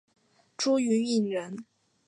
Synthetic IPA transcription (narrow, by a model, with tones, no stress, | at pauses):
ʈ͡ʂu˥y˧˥ni˥˩nɥə˧˥n